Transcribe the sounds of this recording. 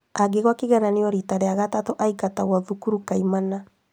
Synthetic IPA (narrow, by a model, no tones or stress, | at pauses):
aɡeɣwakeɣɛɾaneɔɾitaɾeaɣatatoʔaikataɣwaðukuɾukaimana